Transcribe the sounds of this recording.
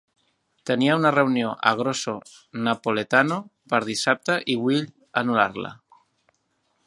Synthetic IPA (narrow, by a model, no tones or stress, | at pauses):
t̪eniaunareunjoʔa̰ɣ̞ɾoso | napolet̪anopaɾðisap̚t̪aʔiwiʎ | anulaɾla̰